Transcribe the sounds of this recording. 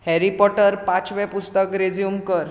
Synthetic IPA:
hɛɾipɔʈəɾpãt͡sʋɛpust̪əkɾed͡zijumkəɾ

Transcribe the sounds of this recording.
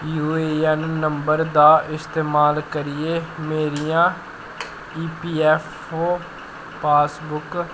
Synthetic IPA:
juːeːɛnːəmbəɾd̪aːʔɪst̪eːmaːlkəɾɪeːmeːɾijãː | iːpiːɛːpʰ | oː | paːsbʊk

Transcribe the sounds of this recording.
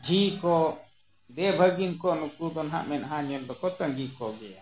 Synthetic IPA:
d͡ʒʱikɔ | d̪ɛbʱəɡinkɔnukud̪ɔnɦa̰ʔmɛnɦãɲɔld̪ɔkɔt̪əŋɡikɔɡɛja

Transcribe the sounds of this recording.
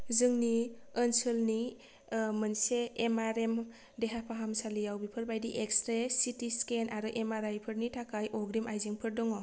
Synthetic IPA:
zɯŋniənsɯlni | mɯnseːmaɾem | deɦapʰaɦamsalijawbipʰɯɾbajdiʔekstɾesitiskenʔaɾɯʔemaɾajpʰɯɾnitʰakajʔɔɡɾimʔajzeŋpʰɯɾdɔŋɔ

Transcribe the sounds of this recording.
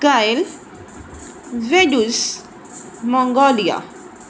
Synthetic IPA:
ɡajl | vedus | mɔŋɡɔlija̰

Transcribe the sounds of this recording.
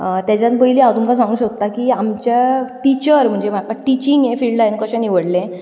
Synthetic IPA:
t̪jat͡ɕjat̪pəɦiliawt̪umkas̬ãŋɡũːɕək̚t̪akiːamt͡ɕjaʈit͡ɕəɾm̤əɳd͡ʑem̤akaʈit͡ɕiŋɡẽfilɭɖlajənkəɕə̃niʋəɽlẽ

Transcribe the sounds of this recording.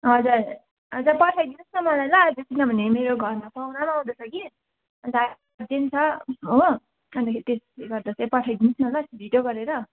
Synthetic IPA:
ɦʌd͡zar | ɦʌd͡zapʌʈʰʌjd̪inʌsnʌmʌlajlad͡zet̪inʌbʱʌnemeɾoɡʱʌrmapawnamaũd̪ʌt͡sʰʌki | ʌnd̪a | dent͡sʰʌɦo | ʌnd̪akʰeɾit̪eseɡʌrd̪asʰepʌʈʰʌjd̪inʌsnʌlasbʱiɖjoɡʌɾeɾʌ

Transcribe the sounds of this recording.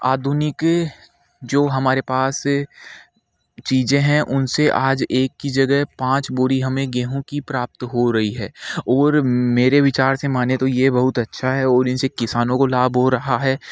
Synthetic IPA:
aːd̪ʱʊnɪk | d͡ʒoːɦɐmaːɾepaːs | t͡ʃiːzẽɦɛ̃ʔʊnseʔaːd͡ʒeːkːid͡ʒɐɡəɦpãːt͡ʃboːɾiɦɐmẽɡẽːɦõkipɾaːp̚t̪ɦoɾɐɦiɦɛːɔːɾmeːɾeʋɪt͡ʃaːɾsemaːnet̪ojebɐɦʊt̪ɐtːʃʰaɦɛɔːɾɪnsekɪsaːnõkolaːbʱɦoɾɐɦaɦɛː

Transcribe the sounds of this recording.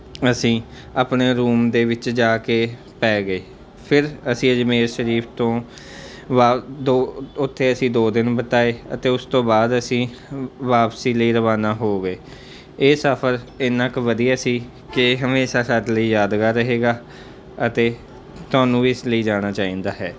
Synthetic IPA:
əsĩː | apneːɾuːmd̪eːʋɪt͡ʃd͡ʒaːkeː | pɛːɡəeː | pʰɪɾəsĩːəd͡ʒmeːɾʃəɾiːpʰt̪õː | ʋaːd̪oːʊt̪ʰːeːəsĩːd̪oːd̪ɪnbət̪aːeːə̰t̪eːʊst̪õːbaːd̪əsĩː | ʋaːpsiːləiːɾəʋaːnaːɦoːɡəeː | səpʰəɾɪnãːkʋəd̪ijaːsiː | kɪɦəmeːʃaːsad̪ləiːjaːd̪ɡaːɾəɦeːɡaː | ət̪eː | t̪ʊaːnũːiɪsləiːd͡ʒaːɽ̃aːt͡ʃaːĩːnd̪aːɦɛː

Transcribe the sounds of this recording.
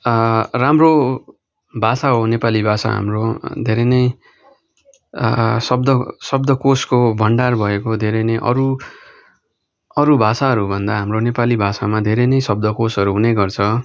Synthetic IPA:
ramro | bʱasaɦonepalibʱasa̰ɦa̰mrod̪ʱeɾʌnʌj | sʌb̚d̪ʌsʌb̚d̪ʌkoskobʱʌɳɖarbʱʌekod̪ʱeɾʌnʌjʔʌ̰ɾu | ʌɾubʱasaɦʌɾubʱʌnd̪aɦamronepalibʱasamad̪ʱeɾʌnʌjsʌb̚d̪ʌkosʌɾuɦunejɡʌrt͡sʰʌ

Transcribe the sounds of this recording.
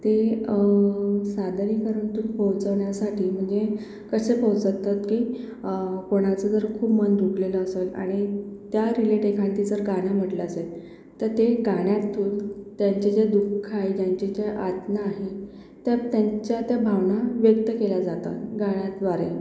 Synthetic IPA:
t̪e | sad̪ʱnikəɾəɳt̪uːɾbʱəwt͡səʋɳjasaʈiːm̤əɳd͡ze | kəsebʱəwt͡sət̪ːat̪kiː | poɽ̃at͡səd͡zəɾkʰuːpmənd̪ʱukleləːsela̰ɽ̃it̪jaɾileʈekʰãnt̪id͡zəɾɡaɽ̃jam̤əʈleəse | t̪əɾt̪eɡaɽ̃jat̪ʰːuːlt̪jaɲt͡ɕed͡ʑed̪ukʰːajd͡ʑjaɲt͡ɕed͡ʑeʔat̪naːɦe | t̪jat̪jaɲt͡ɕjat̪jabʱaʋnaʋjək̚t̪əkelad͡zat̪a̰t̪ɡaɽ̃jat̪ʋaɾe

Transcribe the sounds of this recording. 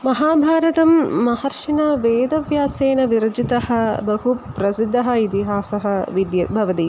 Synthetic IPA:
mɐɦaːbʱaːɾɐt̪ɐmːɐhɐɾʂinɐʋeːd̪ɐʋjaːseːnɐʋiɾɐd͡ʒit̪ɐhɐ̆bɐɦupɾɐsid̪ʱːɐɦɐ̆it̪iɦaːsɐɦɐʋid̪jɐbʱɐʋɐt̪i

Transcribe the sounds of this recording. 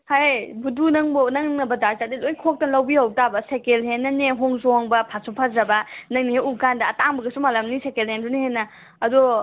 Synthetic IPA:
hajbudunɐŋbonɐŋnɐbɐdaɾzadilojkʰok̚tɐnlɐwbihɐwtabɐsekelɦenːɐneɦoŋzoŋbɐpʰasupʰadɾɐbɐnɐŋnihejukandɐːtaŋbɐɡɐsumalɐmnisekelhendunihenːɐ | ɐdu

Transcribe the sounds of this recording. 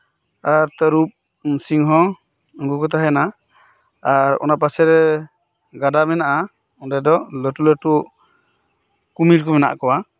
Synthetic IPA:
aɾt̪əɾup̚ | siŋɦɔ̃ | ŋɡukɔt̪aɦɛnaː | ɾɔ̰nap̬asɛɾɛ | ɡadamɛnaʔa | ɔndɛd̪ɔʔləʈuləʈuʔ | kumiɾkɔmɛna̰ʔkɔwa

